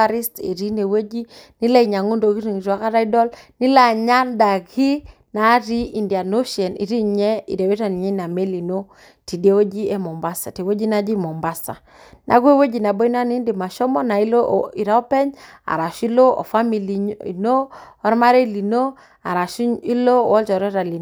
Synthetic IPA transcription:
a˦ɾi˦stḭ˨ɾi˦ne˨we˦d͡ʒi˦ni˦la˦i˨ɲa˨ŋu˦ndo˨ki˦ɾi˨ŋi˨ɾa˨˦ka˦ɾa˦i˦dɔ˦lni˦la˨ɲa˦nda˨ɣi˦ | na˨˦ɾi˦i˨ndi˨a˨no˦ʃɛ˨nḭ˨ɾi˦ɲɛ˦ḭ˨dɛ˨we˦ɾa˨ni˨ɲɛ˦na˨me˦li˨no˦ | ti˨de˦we˦d͡ʒi˦ɛ˦mɔ˨mba˦sa˨ti˨we˦d͡ʒi˦na˦d͡ʒi˦mɔ˨mba˦sa̰˨ | nʔa̰˨ke˦wo˦d͡ʒi˨na˨bɔ˦i˦n˦a˦ni˦ndi˨ma˨ʃɔ˦mɔ˦na˨i˦lo˦i˨ɾa˦ɔ˦pɛ˦ɲa̰˨ɾa˨ʃi˦lo˦ɔ̰˨fa˦mi˨li˨i˨no˦ɔ˦ɾma˦ɾe˦i˦˨li˨no˦ | a˨ɾa˨ʃi˦lo˦˨wɔ˦lt͡ʃɔ˨ɾɔ˦ɾa˨li˨

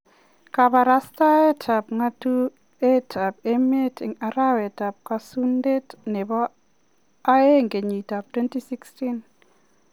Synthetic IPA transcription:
ka˨ba˨ɾa˦sta˦ɛ˦tʰa˨p̚ŋa˦tu˦ | e˦tʰa˨pɛ˦me˦tʰɪ˨ŋa˨ɾa˦wɛ˨ta˨p̚ka˦su˦nde˦tnɛ˨bɔ˦ | a˦e˦ŋɡe˨ɲi˨ta˨p̚twe˦nti˦si˦ksti˦n

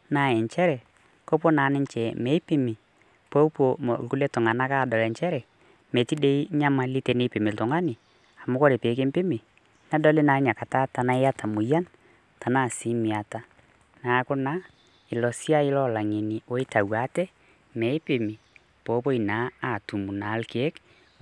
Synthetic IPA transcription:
na˦˨ɛ˨ɲt͡ʃɛ˦ɾɛ˨ | ko˦po˦naː˨˦nɪ˦ɲt͡ʃɛ˨mɛ˨˦i˦pi˦mɪ˨ | po˦po˨m̰˨lku˦le˦tʊ˨ŋa˨na˦kaː˦˨dɔ˨lɛ˨ɲt͡ʃɛ˦ɾɛ˨ | me˨ti˦de˦i˦ɲa˦ma˦li˦tɛ˨nɪ˦pɪ˨mɪ˨ltʊ˨ŋa˦nɪ˨ | a˨mʊ˦ko˦ɾe˨pe˨˦k̬e˦mpɪ˦mɪ˨ | nɛ˦dɔ˦lɪ˦na˨˦ɲa˨ka˨ta˦ta˨na˦ɪ˦a˦tʰa˨mʊ˨ja˦n | ta˨na˦˨si˦mi˨a˨ta˦ | na˨˦kʊ˦na˦ | ɪ˨lɔ˨si˦a˦ɪ˦lɔ˦la˨ŋe˨ni˨o˦ɪ˦ta˨wa˨˦tɛ˦ | mɛ˨˦ɪ˦pɪ˨mi˨ | po˨˦po˦i˨na˨˦a˨tu˨mu˨na˨˦lke˨e˦k

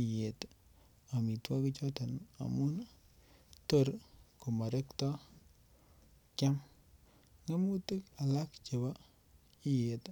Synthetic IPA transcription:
je˨t | a˨mi˨twa˦ki˦t͡ʃɔ˦ta˨na̰˨mu˦n | to˦˨ɾko˨ma˨ɾɛ˦ktɔ˦ | kja˦m | ŋe˦mu˦ti˦ka˨la˦kt͡ʃe˨ba˦ | i˦je˨t

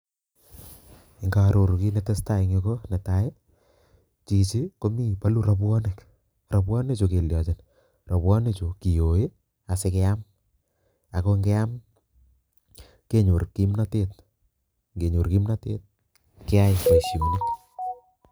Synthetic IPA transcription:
ɪ˨ŋɡa˨ɾo˨ɾu˨ki˦ne˦te˦sta˨i˨ŋeko˦ne˨ta˨e˦ | t͡ʃi˨t͡ʃi˦ko˦mi˦pa˦lu˦ɾa˦bwɔ˦ne˨k | rɔ˨bwɔ˦ne˦t͡ʃo˨ke˨ljɔ˨t͡ʃɪ˨n | rɔ˨bwɔ˦ne˦t͡ʃo˨ki˨jo˨je˦ | a˨se˦kɛ˦a˦m | a˨ko˦ŋɡɛ˦a˦m | ke˦ɲo˨ɾki˦mna˦te˦t̚ | ŋɡe˨ɲo˨ɾki˦mna˦tḛː˦t̚ | ke˦a˦jke˨ʃjo˨nɪk̚

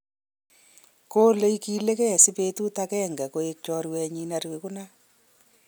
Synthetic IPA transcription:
ko˦le˦iki˦le˦kɛ˦˨si˦pe˦tu˦ta˦kɛ˦ŋɡa˨ko˨e˦k̚t͡ʃɔ˦ɾwɛ˧ɲi˦na˦ɾwe˨ku˦na˦

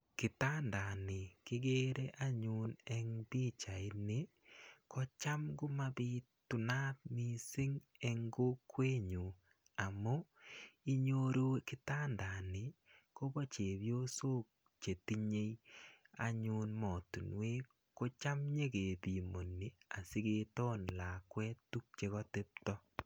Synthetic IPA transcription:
kɪ˨ta˦nda˨nɪ˨kɪ˦ɡe˦ɾe˦ʔa˦ɲu˦nɛ˦ŋbi˦t͡ʃa˨ɪ˦ne˦ | kʰɔ˦t͡ʃa˦mɡʊ˦ma˦bɪ˦ | tʊ˨na˦t̚ni˨sɪ˦ŋɛ˦ŋɡo˦kwe˦ɲu˨ | a˨mo˦i˦ɲo˦ɾu˦kɪ˦taː˦nda˨nɪ˨ko˦bo˦t͡ʃe˨βjo˦so˦k̚ | t͡ʃe˨ti˦ɲe˦ja̰˨ɲu˦nmɔ˨tu˨nwe˦ | ko˦t͡ʃa˦mɲe˦ke˨bi˨mo˨nːi˨a˨si˦ke˦tɔ˦nla˨kwɛ˦tːu˦k̚t͡ʃe˦kɔ˦te˦p̚tɔ˦

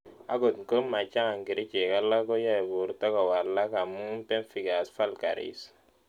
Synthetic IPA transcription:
a̰˦ɡo˨tŋ̩˨ko˦mːa˨t͡ʃa˦ŋa˨ŋɡi˨ɾi˦t͡ʃe˨ka˦la˦kɔ˦ja˦˨bu˨ɾta˦ka˨wa˨la˦ka˨mu˦m˦pɛ˦nfi˦ɡa˨sfa˦lka̰˨ɾḭ˦s

